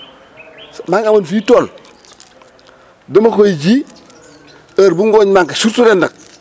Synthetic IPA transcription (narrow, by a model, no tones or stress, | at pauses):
smaŋamanfitol | dəmakojid͡ʒi | aɾbuŋɡoɲmaŋkaʃusuɾendək